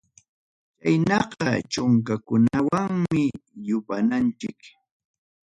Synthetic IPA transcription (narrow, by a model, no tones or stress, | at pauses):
t͡ʃajnɑqɑt͡ʃʊŋkakʊnawaŋmɪjʊpanant͡ʃɪk